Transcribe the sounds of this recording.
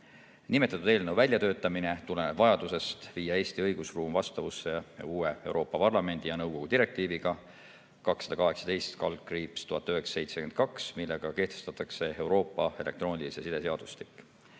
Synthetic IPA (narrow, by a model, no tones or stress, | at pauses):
nime̞t̪ːˑɑt̪ud̪e̞ːlnewvælʲjɑt̪ø̞ːt̪ːˑɑmine̞t̪ule̞neb̥vɑjɑd̪̥use̞st̪viːjɑe̞ːst̪iɤjɡ̥usruːmvɑst̪ɑvusːee̞̰uːe̞e̞wɾo̞ːpːɑpɑrlɑme̞nʲd̪̥ijɑnɤwɡ̥o̞ɡ̥ud̪iɾe̞k̚t̪iːviɡ̥ɑ | kɑksɑd̪̥ɑkɑɦe̞ksɑ̥d̪e̞jst̪kɑlkriːpst̪uɦɑt̪ːˑøɦe̞ksɑ̥se̞jt̪se̞kend̪̥kɑksmilːe̞ɡ̥ɑke̞ht̪e̞st̪ɑt̪ːˑɑkse̞e̞wɾo̞ːpˑːɑe̞le̞k̚t̪ro̞ːnʲilisesid̪̥e̞seɑd̪̥ust̪i̥kːˑ